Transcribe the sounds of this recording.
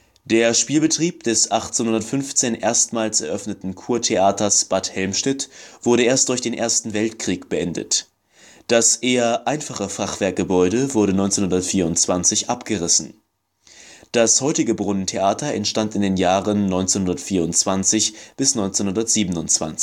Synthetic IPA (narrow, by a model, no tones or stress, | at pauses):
d̥eːɐʃpiːlbətʁ̥iːp̚d̥ɛsʔaχt͡senhʊndɐtfʏnft͡seːnʔeːɐstmaːlsɛɐʔœfnətn̩kʰuːɐtʰeʔaːtɐsb̥athɛlmʃnɪtv̥ʊɐɾəʔeːɐstd̥ʊɐçd̥eːnʔḛːɐstn̩vɛltkʁ̥iːkb̥əʔɛndə̰t | d̥asʔeːɐʔaɪnfaχəfaχv̥ɛɐk̚ɡ̥əbɔʏɾəvʊɐɾənɔʏnt͡senhʊndɐtfiːɐʊnt͡sv̥ant͡sɪçʔapɡ̥əʁɪsn̩ | d̥ashɔʏtɪɡəbʁʊnəntʰeʔaːtɐɛntʃtantɪndeːnjaːʁənːɔʏnt͡senhʊndɐtfiːɐʊnt͡sv̥ant͡sɪçb̥ɪsnɔʏnt͡senhʊndɐtz̥iːbən̩ʊnt͡sv̥a̰nt͡s